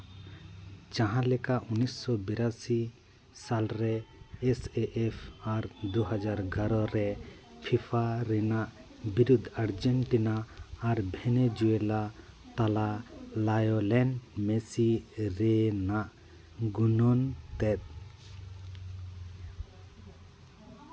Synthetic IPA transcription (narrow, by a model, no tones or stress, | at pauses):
d͡ʒãɦãlɛkaʔunisːɔbiɾasi | salɾɛːseʔɛpʰaɾd̪uɦad͡ʒaɾɡʱaɾɔɾɛ | pʰipʰaɾɛnaʔ | biɾud̪ʱaɽd͡ʒɛnʈinaːɾbʱɛnɛd͡ʒuɛla | t̪alalajɔlɛnmɛsiɾɛnaʔ | ɡunɔnt̪ɛt̪̚